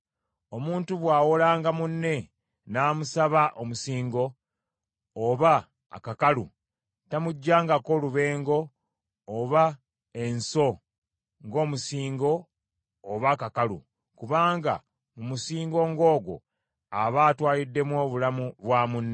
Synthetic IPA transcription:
o̞muːntuβwaːwolaːŋɡamunːe̞ | naːmusaβaʔomusiːŋɡo̞ | βa̰ː | kakalṵ | tamuɟːaːŋɡako̞luβe̞ːŋɡo̞ː | βa | e̞nso̞ | ŋɡo̞ːmusiːŋɡo̞ː | βakakalṵ | kuβaːŋɡa̰ | mumusiːŋɡo̞ŋɡo̞ːɡwo̞̰ | aβaːtwaːlidːe̞mwo̞ːβulamuβwaːmunːe

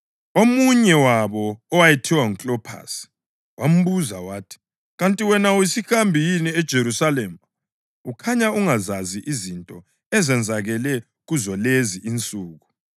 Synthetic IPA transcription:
omuɲɛwaβɔːwajɛtʰiwaŋut͡ɬʼɔpʰa̰ːsi̥ | wam̩βuza̰waːtʰi̥ | ɣantʼiwɛnawisiɣambʱijiniɛd̥ʒ̥ʱeɾusalɛm | ukʰaɲauŋazaziʔizintʼɔ | ɛzɛnd͡zʱaɣɛlɛ | ɣuzɔleziʔint͡sʼuːɣu

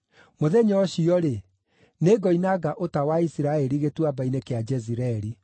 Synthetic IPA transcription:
moðɛɲɔɔɕiɔɾe | neɡɔinaɡaʔotawaisiɾaɛɾiɣetwabainekead͡ʒɛziɾɛɾi

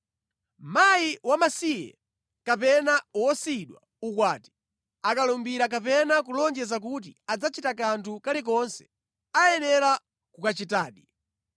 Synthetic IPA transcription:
majiwamasijɛ̰ | kapɛnawɔsiɗwa̰ | ukwaːti̥ | akalɔmbiɾak̬apɛnak̬ulɔɲd͡ʒɛzak̬ut̬iad͡zat͡ʃitakantʰukalik̬ɔnsɛ̥ | ajɛnɛɾa | kukat͡ʃitaːɗi

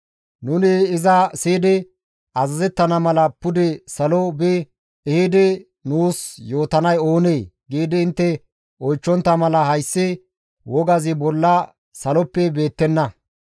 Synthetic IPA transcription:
nʊnɪːzɐsiːd̪ɪ | ɐzɐzɛt̪ːɐnɐmɐlɐpʊd̪ɛsɐlɔbɛ | ɛhɪd̪ɪ | nuːsjo̞ːt̪ɐnɐjo̞ːneːɡiːd̪ɪɪnt̪ːɛ | ɔjt͡ʃːɔnt̪ːɐmɐlɐhɐjsːɪ | wɔɡɐzɪbɔlːɐ | sɐlɔpːɛbe̞ːt̪ːɛnːɐ

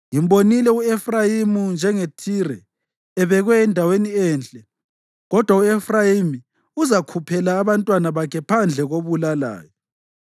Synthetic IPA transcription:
imbonilɛuefrajimund͡ʒʱɛŋetʰirɛː | βɛɣwɛːndʱaweniɛːnt͡ɬʼɛ | ɣɔd̥ʱwauefrajimi | uzakʰupʰɛlaːβantʼwanaβakʰɛpʰand͡ɮʱɛɣoβulala̰ːjɔ

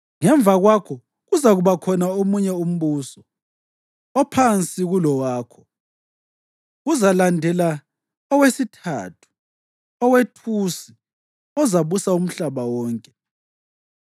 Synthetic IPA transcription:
ŋɛɱvʱaɣwakʰɔ | ɣuzaɣuβakʰɔnaomuɲɛum̩βusɔ | ɔpʰant͡sʼiɣulɔwaːkʰɔ̥ | ɣuzalandʱɛla | ɔwesitʰa̰tʰu̥ | ɔwetʰusi | ɔzaβusaum̩ɬaβawɔːŋkʼɛ

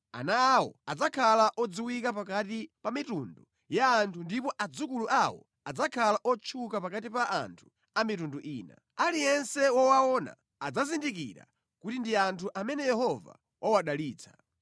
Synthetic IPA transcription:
a̰naːwɔ̰ad͡zakʰalaʔɔd͡ziwikapakatipamitundu | jaːntʰundipɔʔad͡zukuluʔawɔ̰ | ad͡zakʰalaʔɔt͡ʃʰukapakatipaʔa̰ntʰu̥ | amitunduʔiːna̰ | alijɛnsɛwɔwaɔna̰ | ad͡zazindikḭɾa̰ | kutindiantʰuʔamɛnɛjɛhɔva̰ | wʔawaɗaliːt͡sʰḁ̰

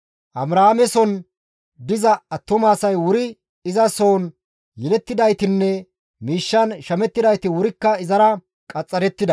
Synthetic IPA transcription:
ʔɐbɾaːamɛsɔn | d̪ɪzɐːt̪ːɔmaːsɐjwʊɾɪ | ɪzɐso̞ːn | jɛlɛt̪ːɪd̪ɐjt̪ɪnːɛ | miːʃːɐnʃɐmɛt̪ːɪd̪ɐjt̪ɪwʊɾɪkːɐɪzɐɾɐ | kʼɐt͡sʼːɐɾɛt̪ːɪd̪ɐ

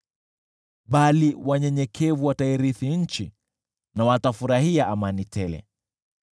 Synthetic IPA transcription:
ɓaliwaɲɛɲɛkʰɛvuwataiɾiθiɲ̩t͡ʃi | nawatafuɾaɦiaʔamanitʰɛlɛ̰

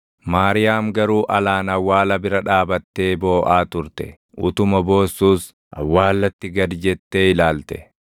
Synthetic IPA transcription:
maːɾɪjaːmɡɐɾuːʔɐlaːnɐwːaːlɐbɪɾɐᶑaːbɐt̪ːe̞ːbo̞ːʔaːt̪ʊɾt̪ɛ̰ | ʔʊt̪ʊmɐbo̞ːsːuːs | ʔɐ̰wːaːlːɐt̪ːɪɡɐd̪d͡ʒɛt̪ːeːɪlaːlt̪ɛ̥̰

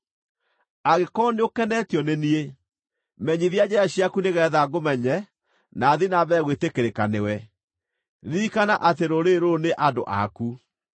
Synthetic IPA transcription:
aɣekɔneokɛnɛtjɔnenie | mɛɲiðjad͡ʒɛaɕiakuneɣɛːðaɡomɛɲɛ | naːðinaβɛɣwetekeɾekanewɛ | ðikanaʔateɾoɾeɾoneʔadoʔa̰ku

